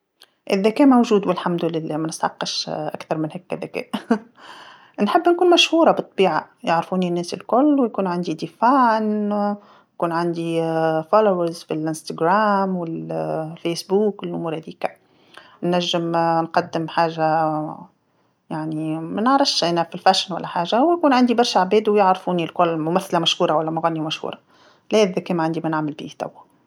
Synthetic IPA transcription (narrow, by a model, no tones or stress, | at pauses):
ʔɪ̰ðːækɛːmowʒuːd̪wɪlħamd̪ʊlɪlːɛːmænɪst̪ʕɑqːɑʃʔækθɑɾˤmɪnhækːæðækɛ̰ːʔ | nħɪbːnkuːnmæʃhuːɾˤɑbɨt̪ˤːɑbiːʕa | jaʕɾfuːninːɛːsɪlkʊlːwjkuːnʕand̪id̪ifaːʕn | jkuːnʕand̪ifɑlowəɾzfilʔɪnst̪aɡɾaːmwɪlfeːsbuːkɪlʔʊmuːɾhæðiːka | nːæʒːɪmnqɑd̪ːɪmħaːʒa | jaʕnimænəʕɾˤɑfʃʔæːnæfilfæːʃnwæ̰lːæħaːʒawjkuːnʕand̪ibɑɾˤʃaʕbɛːd̪wjɪʕɾfuːnilkʊlmʊmæθːlæmæʃhuːɾˤɑwælːæmʊɣæːnːimæʃhṵːɾɑ | læːðækɛːmæʕand̪imænaʕmɪlbḭːht̪a̰wːæ